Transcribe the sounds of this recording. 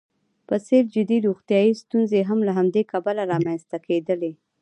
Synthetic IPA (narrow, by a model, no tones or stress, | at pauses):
pəseɾd͡ʒɪd̪iɾuxt̪jɑist̪unzeɦamlaɦamd̪ekabalaɾɑmanst̪akʰed̪əle